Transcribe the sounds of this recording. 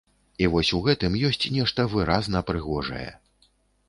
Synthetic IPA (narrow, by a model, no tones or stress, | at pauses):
ivɔsʲuɣɛt̪ɨmjɔsʲt͡sʲnʲɛʂt̪ɐvɨɾaznɐpɾɨɣɔʐɐ̰jɛ̰